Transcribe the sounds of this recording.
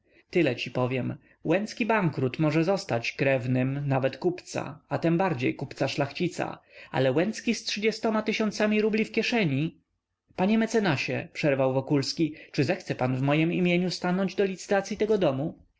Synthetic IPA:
t̪ɘlɛt͡ɕipɔvʲjɛm | wɛnt̪skʲibaŋkɾut̪mɔʐɛzɔst̪at͡ɕkɾɛvnɘmnavɛt̪kupt̪sa̰at̪ɛmbaɾd͡ʑḛjkupt̪saʂlaxt͡ɕit̪sa̰a̰lɛwɛnt̪skʲistʂɘd͡ʑɛst̪ɔmat̪ɘɕɔnt̪samʲiɾublʲifkʲjɛʂɛɲi | paɲɛmɛt̪sɛnaɕɛ̰pʂɛɾvawvɔkulskʲit͡ʂɘzɛxt̪sɛpanvmɔjɛmimʲjeɲust̪anɔɲd͡ʑd̪ɔlʲit̪sɘ̥t̪at̪sʲjit̪ɛɡɔd̪ɔmu

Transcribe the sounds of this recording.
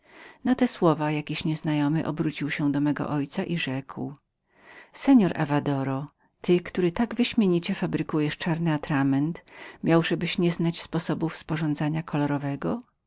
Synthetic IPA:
nat̪ɛswɔvajakʲiɕɲɛznajɔmɘʔɔbɾut͡ɕiwɕɛd̪ɔmɛɡɔ̰ʔɔjt̪saʔiʐɛkw | sɛɲɔɾʔa̰vad̪ɔɾɔ | t̪ɘkt̪uɾɘt̪aɡvɘɕmʲjeɲit͡ɕɛfabɾɘkujɛʂt͡ʂaɾnɘat̪ɾamɛnt̪mʲjawʐɛbɘɕɲɛznat͡ɕspɔsɔbufspɔʐɔnd̪zaɲakʰɔlɔɾɔvɛɡɔ

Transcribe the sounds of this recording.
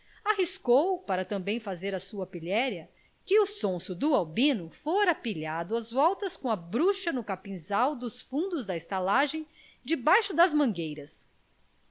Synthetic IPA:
aɦiskowpaɾɐt̪ɐ̃mbẽj̃fazeɾɐsuɐpiʎɛɾjɐ | kɪʊsõsʊd̪ʊawbĩnʊfoɾapiʎad̪ʊɐzvɔwt̪ɐskõɐbɾuʃɐnʊkapĩzawd̪ʊsfũnd̪ʊzd̪ɐɪst̪alaʒẽj̃ | d͡ʒɪbajʃʊd̪ɐzmɐ̃ŋɡejɾɐs

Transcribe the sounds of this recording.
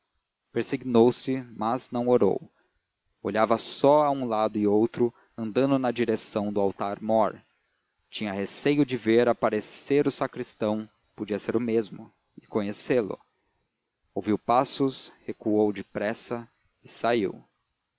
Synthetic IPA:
peɾsiɡinowsɪmɐznɐ̃w̃oɾo̰w | o̰ʎavɐsɔaũlad̪ʊɪowt̪ɾʊ | ɐ̃nd̪ɐ̃nd̪ʊnɐd͡ʒiɾesɐ̃w̃d̪ʊawt̪aɾmɔɾ | t͡ʃĩɲɐhesejʊd͡ʒɪveɾapaɾeseɾʊsakɾist̪ɐ̃w̃ | pod͡ʒiɐseɾʊmezmʊ̰ | ɪkõɲeselʊ̰ | owviwpasʊshekuowd͡ʒɪpɾɛsɐ | ɪsaḭw

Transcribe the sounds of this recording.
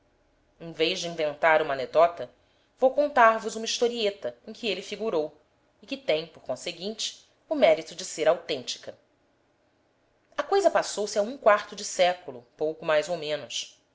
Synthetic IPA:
ẽj̃vejʒd͡ʒɪĩvẽnt̪aɾũmɐned̪ɔt̪ɐ | vowkõnt̪aɾvʊzũmɐiʃt̪oɾiet̪ɐẽj̃kʲɪelɪfiɡuɾow | ɪkɪt̪ẽj̃poɾkõseɡĩnt͡ʃɪ̥ | ʊmɛɾit̪ʊd͡ʒɪseɾawt̪ẽnt͡ʃi̥kɐ | ɐkojzɐpasowsɪaũkwaɾt̪ʊd͡ʒɪsɛkulʊpowkʊmajzowmẽnʊs

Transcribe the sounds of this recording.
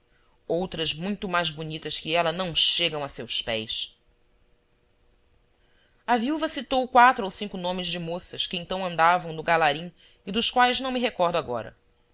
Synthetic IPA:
owt̪ɾɐzmũj̃t̪ʊmajzbunit̪ɐskɪɛlɐnɐ̃w̃ʃeɡɐ̃w̃ɐsewspɛjs | ɐviuvɐsit̪owkwat̪ɾʊowsĩŋkʊnõmɪzd͡ʒɪmosɐʃkɪẽt̪ɐ̃w̃ɐ̃nd̪avɐ̃w̃nʊɡalaɾĩ | id̪ʊʃkwajznɐ̃w̃mɪɦekɔɾd̪ʊaɡɔ̰ɾɐ̰

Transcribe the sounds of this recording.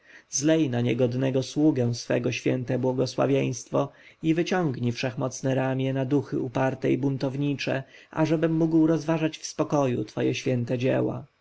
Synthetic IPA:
zlɛjnaɲɛɡɔd̪nɛɡɔswuɡɛw̃sfɛ̰ɡɔɕfʲjɛ̰nt̪ɛbwɔɡɔswa̰vʲjej̃st̪fɔ | ivɘt͡ɕɔŋɡɲifʂɛxmɔt̪snɛɾamʲjɛnad̪uxɘupaɾt̪ɛibunt̪ɔvɲit͡ʂɛ̰ʔa̰ʐɛbɘmːuɡwɾɔzvaʐat͡ɕfspɔkɔjṵt̪fɔjɛɕfʲjɛnt̪ɛd͡ʑḛwa̰

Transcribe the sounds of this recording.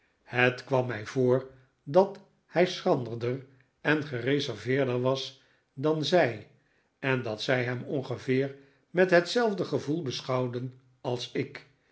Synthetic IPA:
hətkʋɑmːɛjvoːɹ | dɑt | hɛjsrɑndəɹdər | ɛnχərezɛɹvɪːɹdəɹʋɑs | dɑnzɛj | ɛndɑtsɛjɦɛmɔŋχəvɪːɹ | mɛtɦətsɛlˠvdəχəvulˠbəsχɑwdən | ɑlˠsɪk

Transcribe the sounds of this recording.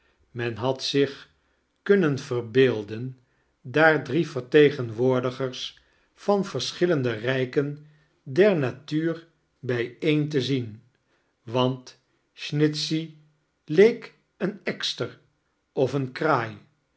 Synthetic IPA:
mɛnɦɑtsɪχ | kɵnənvərbeːlˠdən | daːɹdrivəɹtejχənʋʊːɹdəχəɹs | fɑnv̥əɹsχɪləndərɛjkən | dɛɹnatyːr | bɛjejnt̬əzin | ʋɑnt | ʃnɪtsi | lejk | ənɛkstər | ɔfənkraːj

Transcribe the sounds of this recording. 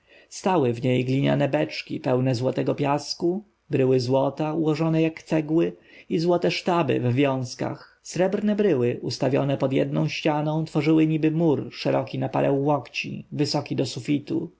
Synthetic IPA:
st̪awɘvɲejɡlʲiɲa̰nɛbɛt͡ʂkʲḭpɛwnɛzwɔt̪ɛɡɔpʲjasku | bɾɘwɘzwɔt̪auwɔʐɔnɛjakt̪sɛɡwɘizwɔt̪ɛʂt̪abɘ̰vvʲjɔ̃w̃ska̰x | sɾɛbɾnɛbɾɘwɘʔust̪avʲjɔ̰nɛpɔd̪jɛ̰d̪nɔ̰̃w̃ɕt͡ɕanɔ̃w̃t̪fɔʐɘwɘɲibɘmuɾʂɛɾɔkʲinapa̰ɾʔɛw̃ːɔkt͡ɕḭvɘsɔkʲid̪ɔsufʲit̪u

